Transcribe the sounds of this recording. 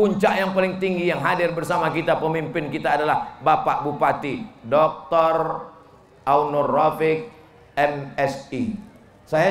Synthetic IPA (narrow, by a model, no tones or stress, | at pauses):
uɲt͡ʃaʔjaŋpalɪŋt̪iŋɡijaŋɦadɪrbərsamakit̪apəmimpɪnkit̪aːdalahbapaʔbupat̪idɔk̚t̪ɔr | ʔaunorafɪk̚ | ɛmɛsi | saja